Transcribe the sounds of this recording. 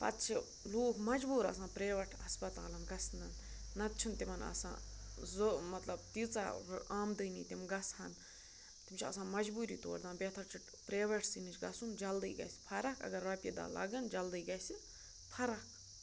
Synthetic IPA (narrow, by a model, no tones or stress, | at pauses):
pɐ̰t̪t͡ʃʰi | loːkmɐd͡ʒbuːɾɐ̰sãːpɾeːʋɐʈʰɐspɐt̪a̰ːlɐmɡɐsnɐnnɐt̪̚t͡ʃʰint̪imɐnɐ̰sã̰ːzmɐt̪lɐbt̪it͡sa̰aːmd̪ɨːnḭːt̪imɡɐshɐn | t̪imt͡ʃʰiɐ̰sãːmɐd͡ʒbuːɾḭːt̪o̰ːɾd̪aːnbʲeːt̪ʰɐɾt͡ʃʰiʈ | pɾeːʋɐʈʰsinɨt͡ʃʰɡɐsund͡ʒɐld̪ɨːɡɐ̰sʲpʰɐɾɐkɐ̰ɡɐɾʋɐpʲjid̪a̰ːlɐ̰ɡɨnd͡ʒɐld̪ɨiɡɐsi | pʰɐɾɐk